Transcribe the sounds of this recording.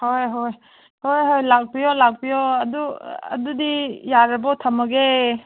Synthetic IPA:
hojɦoj | hojɦojlak̚pijɔlak̚pijɔɐduɐ̰dudijaɾɐbatʰɐmɐɡe

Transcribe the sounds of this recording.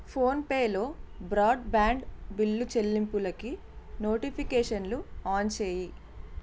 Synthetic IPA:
pʰoːnpeːlo̞ːbɾaːɖbaːɳɖbilːut͡ʃe̞lːimpulɐki | no̞ːʈipʰikeːʂɐnluaːnt͡ʃe̞ːji

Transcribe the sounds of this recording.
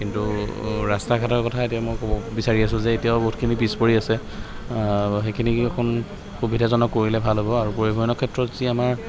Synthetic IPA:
kintuɹastakʰatɔɹkɔtʰaetijamojkɔbɔbisaɹias̬ʊ̃zɛetijaboɦut̚kʰinipispoɹiasɛ | xekʰinikʰɔn | xubidʱazɔnɔkːoɹilɛbʱalɦobɔaɹupoɹibʱɔjɔnɔkʰɛtɹɔtziamaɹ

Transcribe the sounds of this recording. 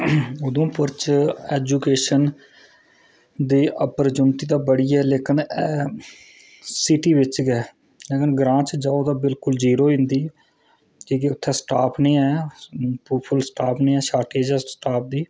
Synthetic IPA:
ʊd̪õːpʊɾt͡ʃɛːd͡ʒuːkeːʃən | d̪iːʔəpəɾd͡ʒʊnʈiːd̪aːbəɽiːɛːleːkɪnː | siʈiːʋɪt͡ʃɡɛː | leːkɪnɡɾãːt͡ʃd͡ʒaːoːt̪aːbɪlkʊld͡ʒiːɾoːɪ̃nd̪iː | d͡ʒiːkeʊt̪ʰːɛːsʈaːpʰnĩːɛːpuːpʰəlsʈaːpʰnĩːɛːʃaːʈeːd͡ʒɛːsʈaːp̚ʰd̪iː

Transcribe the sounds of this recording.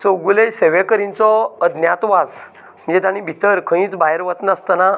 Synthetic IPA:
t͡səwɡuleseʋekəɾĩnt͡sɔəd̪njat̪ʋad͡z | m̤ə̃ɳd͡zet̪aɽ̃ĩbʱit̪əɾkʰə̃ĩːt͡sbajəɾʋət̪nast̪əna

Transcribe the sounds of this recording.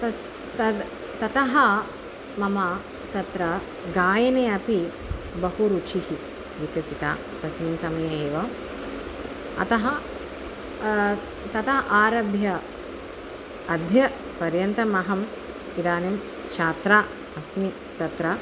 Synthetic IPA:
tɐ | t̪ɐ | t̪ɐt̪ɐɦɐ | mɐmaː | t̪ɐt̪ɾɐ | ɡaːjɐneːɐpi | bɐɦuɾuːt͡ʃʰihi | ʋikɐsit̪a̰ː | pɐsmimsɐmɐjeːʋɐ | ɐ̰t̪ɐɦɐ | t̪ɐt̪ɐɦʔaːɾɐbʱjɐ | ɐd̪ʱjɐ | pɐɾjɐnt̪ɐmɐɦɐm | id̪aːnim | kʃaːt̪ɾaː | ɐsmi | t̪ɐt̪ɾɐ

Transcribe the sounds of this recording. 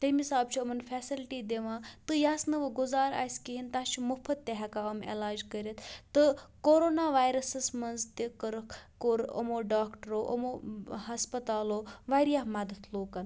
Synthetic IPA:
t̪ɐmisaːb̚t͡ʃʰiɐmɐnfʰɛːsilʈiːd̪eʋãːt̪ɨjaːsnɨʋɨɡuzaːɾa̰ːsʲkiɦint̪at͡ʃʰimupʰɐt̪̚ːeɦɐkaɐmḛlaːd͡ʒkəɾʲɐt̪t̪ɨkoɾoːnaːʋaːjɾɐsɐsmɐnzt̪ikəɾəkkoɾo̰moːɖaːkʈəɾoːʔo̰moɦɐspɐt̪aːloːʋaɾijaɦmɐd̪ət̪ʰloːkɐn

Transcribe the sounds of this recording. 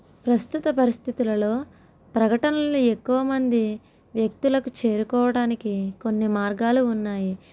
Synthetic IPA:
pɾɐst̪ut̪ɐpɐɾist̪ʰit̪ulɐlo̞ː | pɾɐkɐʈɐnɐlue̞kːuʋɐmɐnd̪i | ʋjɐk̚t̪ulɐkut͡ʃe̞ːɾukɔːʋɐɽaːnikiko̞nːimaːɾɡaːluːnːaːji

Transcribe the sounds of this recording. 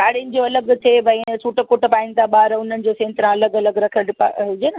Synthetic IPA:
kaːɽiʊnɪ̆d͡ʑoɐləɡt̪ʰeʋɐ̃sʰuːʈəkʊʈəpaːɪ̃nɪ̆t̪ʰaɓaːɾʊn̤ənɪ̆d͡ʑosẽːnt̪ɾãɐləɡɐləɡɾɐkʰiəɽɪpa̰ɦʊd͡ʑeːnɐ

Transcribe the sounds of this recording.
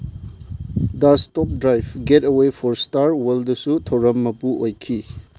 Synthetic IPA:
dɐstɔp̚dɾajbɡetewepʰɔɾstaɾweldɐsutʰɐwɾɐmːɐpuʔojkʰi

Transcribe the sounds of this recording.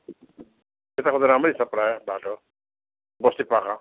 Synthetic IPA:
et̪akʰɔd͡zaɾamɾisapɾajbʱaʈɔ | bɔst̪ipakã

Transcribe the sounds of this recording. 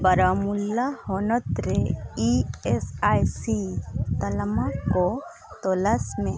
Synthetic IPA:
bɐɾamulːahɔnɔt̪ɾeiesajsit̪ɐlmako | t̪olasmẽ

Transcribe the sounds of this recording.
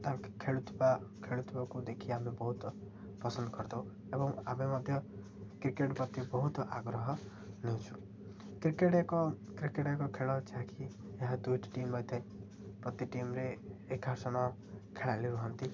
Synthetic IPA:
t̪akkʰeɭut̪bakʰeɭut̪bakud̪ekʰiamebɔɦut̪ | pɾʌsʌnd̪kʌɾd̪ʌw | ebɔŋamemʌd̪ʱjʌ | kɾikeʈpɾʌt̪ibɔɦut̪aɡɾʌɦʌ | net͡ʃʰu | kɾikeʈeko | kɾikeʈekokʰeɭɔt͡ʃʰãkʰi | eɦãd̪ujʈʈimlʌjt̪ʰaj̃ | pɾʌt̪iʈimɾeːkɦasʌnʌ | kʰeɭaliɾuɦʌnt̪i

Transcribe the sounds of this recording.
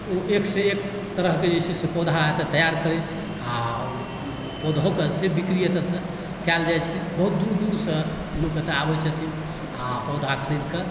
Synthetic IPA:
oʔekseek | t̪əɾəɦked͡ʒet͡ʃʰɛsepɔd̪ʱaet̪ət̪əjaɾkəɾɛt͡ʃʰɛ | a | pod̪ʱokesebikɾijət̪əsə̃ | kɛld͡ʒajt͡ʃʰɛbəɦut̪̚d̪uɾd̪uɾsə̃ | loket̪eabɛt͡ʃʰət̪ʰin | apɔd̪ʱakʰɾid̪kə

